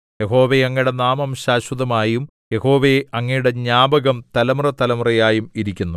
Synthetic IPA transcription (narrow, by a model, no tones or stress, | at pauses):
jeɦo̞ːʋejɐŋːiɽenaːmɐmɕaːɕwɐðɐmaːjum | je̞ho̞ːʋeɐŋːɐjuɽe̞ɲaːbɐɣɐmt̪ɐlɐmrɐt̪ɐlɐmrɐjaːjumiɾikʲːunːu